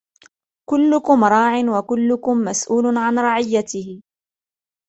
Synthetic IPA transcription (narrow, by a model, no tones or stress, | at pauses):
kʊlːʊkʊmɾˤɑːʕɪnwakʊlːʊkʊmːasʔuːlʊʕanɾˤɑʕɪjːat̪ɪhɪ